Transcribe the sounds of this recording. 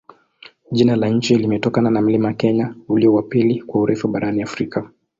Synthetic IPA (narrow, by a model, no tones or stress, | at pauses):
ʄinalaɲ̩t͡ʃilimɛtɔkananam̩limakɛɲauliɔwapilikwauɾɛfuɓaɾaniafɾika